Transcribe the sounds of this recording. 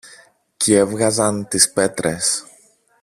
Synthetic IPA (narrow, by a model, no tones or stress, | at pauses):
cʰeevɣɐzɐnt̪ispe̞t̪ɾe̞s